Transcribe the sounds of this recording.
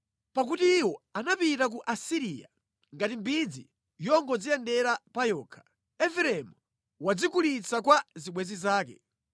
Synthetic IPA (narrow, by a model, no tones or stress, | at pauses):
pak̬utiːwɔanapitak̬uʔasiɾiːja̰ | ŋɡatimbid͡zi | jɔŋɡɔd͡zijɛndɛɾapajɔːkʰḁ | ɛfɛɾɛmu | wad͡zikulit͡sʰakwaziɓwɛzizaːkɛ̰